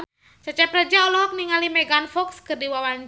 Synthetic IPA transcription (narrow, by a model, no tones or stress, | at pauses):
t͡ʃat͡ʃɛpɾəd͡ʒaɔlɔɦɔk̚niŋalimɛɡanfɔkskɨrdiwawan